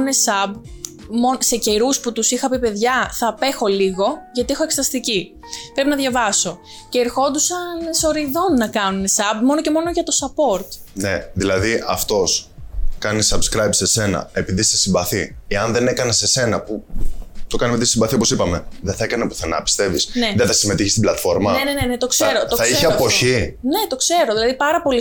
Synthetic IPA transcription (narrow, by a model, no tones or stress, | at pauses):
nesɐb | mo̞se̞ce̞ɾusput̪usixɐpipe̞ðʝɐθɐpe̞xo̞liɣo̞ʝɐt̪iexoeksɐst̪ici | pɾe̞pinɐðʝɐvɐso̞ | ceːɾxo̞d̪usɐnso̞ɾiðo̞nːɐkɐnune̞sɐbmo̞noce̞mo̞no̞ʝɐt̪o̞sɐpo̞ɾt̪ne̞ðilɐðiʔɐft̪o̞skɐnisɐbskɾɐjbse̞se̞nɐ̰e̞piðisesimbɐθieɐnðe̞ne̞kɐnese̞se̞nɐput̪o̞kɐnimeðisimbɐθioposipɐme̞ðeθɐekɐnepuθenɐ̰pi̥st̪e̞visneðeθɐsime̞t̪içist̪iblɐt̪fo̞ɾmɐenenenet̪o̞kseɾot̪oθɐiçeɐpo̞çine̞t̪o̞kse̞ɾo̞ðilɐðipɐɾɐpo̞li